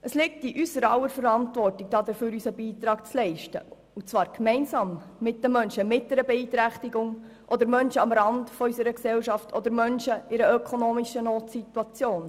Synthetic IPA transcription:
ʔəslɪk̚tiʔysəɾɑwəɾfəɾɑntvɔrtɪk̚d̥ɑːd̪əɾføːɾysəbiːtɾɑːk̚t͡slɛɪʃtə̰ | ut͡svɑːɾkmɛɪnsɑːmː | ɪt̚dəmœnʃəmɪt̚d̥ɛɾəbɛiːt̪ɾæχtiɡʊŋ | ʔɔdəɾmœnʃəɑmɾɑndfɔysəɾəksɛlʃɑftʰɔd̪əɾmœnʃəɪɾəœkʰonoːmiʃənoːtsituɑt͡sjoːn

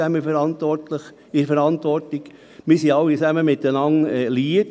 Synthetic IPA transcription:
æməfɛɾɑnt̪ʋɔrtləχ | ɪɾfɛɾɑnt̪ʋɔrtiɡ | mɪɾsiɑwːit͡sæməmɪt̪ənɑŋɛliət

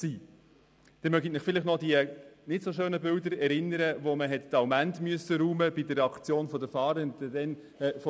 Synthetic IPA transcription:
siː | d̥ɛmœɡinɪχfɪlɪχnɔdiənɪtsoʃøːnəbɪldəɾɛɾɪnəɾəvoməɦɛttɑʊmæntmyəsəɾuːməbɪdəɾːɛɑkt͡sjoːnfɔdəfɑːɾəndəd̥ɛn | fɔ

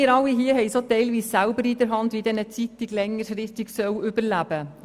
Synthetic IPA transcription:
ɪɾɑlːiɦiəhɛɪsoːtɛɪlʋiːssæʊbəɾidəɾɦɑndʋiːdɛnət͡sitɪɡlɛŋːəɾsɾɪχtɪɡsœwʏbəɾlæb̥ə

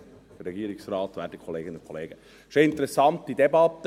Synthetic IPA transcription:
d̥əɾɛɡiːəɾiksrɑːt̪ʋæ̰ːdikʰɔleːɡənʊnkʰɔ̰lḛːɡ̥ə | ʃoɪnt̪əɾɛsɑnt̪d̥idɛbɑt̪ːə

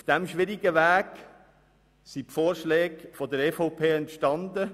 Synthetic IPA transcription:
ufd̥æmʃʋɪɾiɡəʋæːɡ | sipfoːɾʃlɛːɡfɔdəɾɛfɔʊpʰeːɛntʃtɑndə

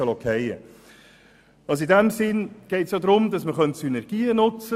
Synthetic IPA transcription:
əlɔkʰɛɪə̰ | ɑls̬idɛmsɪnɡ̥ɛɪtsjodɾʊmd̥ɑsməχœntsynɛɾɡ̥iːənʊt͡sə

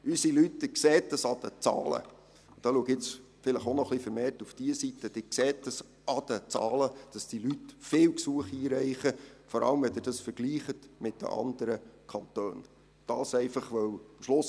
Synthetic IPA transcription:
ysilytːəkseːt̚dəsɑd̥̪ət͡sɑ̰ːlə̰ | d̥ɑːluəɡɪt͡s | fɪləχonɔχlifəɾmeːrtufd̥iəsitːəd̥ɪkseːt̚dəs | ɑd̥ət͡sɑ̰ːləd̥ɑsd̥ilytfɪːwksuəχiːɾɛɪχəfɔɾɑ̰ləmʋɛd̪ɪːd̥ɑsfəɾɡ̥liːχətmɪt̚d̥ə̰ʔɑ̰nd̥əɾəkʰɑntøːn | d̥ɑːsɛɪfɑχʋœwmʃlʊs

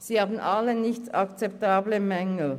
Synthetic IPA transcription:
siːhaːbn̩ʔalənɪçtɑkt͡sɛp̚taːbləmɛŋl̩

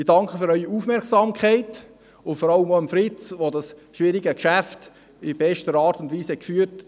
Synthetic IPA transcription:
ɪdɑŋkχəfʏɾœʏiufmɛɾksɑːmkʰχæɪt | ʊfɔɾɑləmoəmfɾɪt͡sʋodɑsʃʋɪɾiɡəkʃæft | ɪb̥ɛʃtəɾɑːɾtʊndviːshɛt̚kfyːɾt

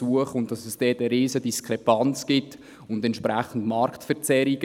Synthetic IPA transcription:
uəχʊnt̚d̥ɑsɛsd̥ɛːtəɾiːsəd̥iskɾɛpɑnt͡sɡ̥ɪt | ʊndɛntʃpɾæχən̩dmɑɾktfəɾt͡sɛɾiɡə

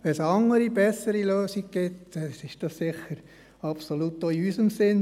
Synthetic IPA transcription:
ʋɛnsɑŋəɾibɛsəɾiløːsiɡ̚ɡ̥ɪtɛɪʃd̥ɑssɪχəɾ | ɑpsolutːoiysəmsɪn

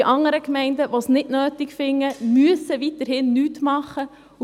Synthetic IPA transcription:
ʔɑŋəɾəkmɛɪndəʋosnɪdnøːtɪkfɪŋːəmyəsəʋitəɾhɪnːyːtmɑχə

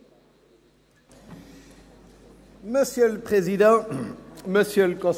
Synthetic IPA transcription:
məsjølpχezid̪ɑ̃ | məsjølkɔ̃s

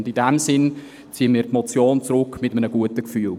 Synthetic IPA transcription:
ndɪndɛmsɪn | t͡siəmiːɾtmɔt͡sjoːnt͡sɾʊkmɪtəmənəɡ̥uətəkfyːl

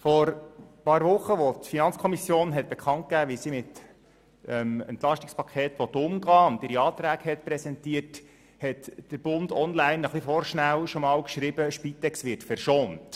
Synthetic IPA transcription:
fɔɾpɑːɾʋʊχːəʋotfinɑnt͡skʰɔmisjoːnɦɛt̚b̥ekχɑnt̚kæːʋɪsimɪt | əmɛ̰ntlɑʃtɪkspʰɑkʰeːt̪ʋɔt̪ʊmɡɑːʊndɪɾiɑːt̪ɾæːɡhɛtpɾɛsɛntiət | hɛtd̥əɾb̥ʊndɔnlæɪnəχlifɔɾʃnæwʃɔmɑːlkʃɾibəʃpit̪ɛksʋɪtfɛrʃoːnt

